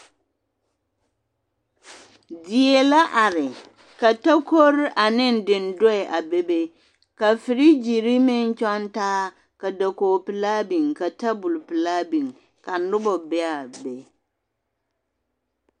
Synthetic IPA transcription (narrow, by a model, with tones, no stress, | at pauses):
di˨e˨la˦ʔa˨ɾɪ˨ | ka˨ta˦kʰo˦ɾa˨nɪ̃˦n˨˦dɪ̃˨n˨dɔ˦ɛ˨ʔa˨be˦be˦ | ka˨fɪ˨ɾi˦d͡ʒi˨ɾi˦mɪ̃˦n˦t͡ʃɔ˦n˦taː˦ | ka˨da˨koː˨pɪ˨laː˦bĩ˨ŋka˨tʰa˦bʊ˨lpɪ˨laː˦bĩ˨ŋ | ka˨n̩˦dʊ˦bɔ˨bɛ˦a˨be˨